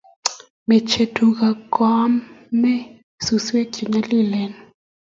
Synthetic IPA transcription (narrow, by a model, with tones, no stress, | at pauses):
mɛ˨t͡ʃʰe˨tʰu˨k̬a˨kwa˦mːɛ˦ | su˨swe̥˦ʒ̥ʱi˨ɲa˦li˦˨lɛ˨n